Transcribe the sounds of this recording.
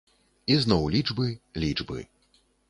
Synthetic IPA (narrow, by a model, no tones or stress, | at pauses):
iznɔwlʲid͡ʐbɨlʲid͡ʐbɨ̰